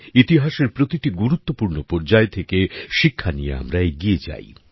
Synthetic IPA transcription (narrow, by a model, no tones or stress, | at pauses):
it̪iɦaʃeɾpɾot̪iʈiɡuɾut̪ːopuɾnopɔɾd͡ʑaet̪ʰekeʃikʰːaniḛa̰mɾaeɡijed͡ʑa̰j